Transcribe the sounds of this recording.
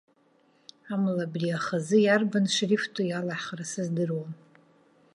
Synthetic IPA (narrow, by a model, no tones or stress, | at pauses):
amlabriaχazɨjarbanʂriftʰʼujalaħrasɨzdɨrwan